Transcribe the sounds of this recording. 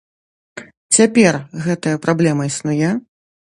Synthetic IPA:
t͡sʲapʲɛrɣɛt̪ɐjɐpɾablʲɛmɐisnujɛ

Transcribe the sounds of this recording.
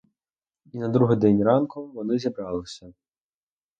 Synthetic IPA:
inɐd̪ɾuɦɪd̪ɛnʲrɑnkʊʋɔnɪzʲibɾɑlˠɪsʲɐ

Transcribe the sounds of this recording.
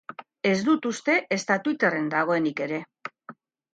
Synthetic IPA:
e̞zd̪ut̪ust̪e̞ʔest̪at̪uit̪ere̞nd̪aɣ̞o̞e̞nike̞ɾe̞

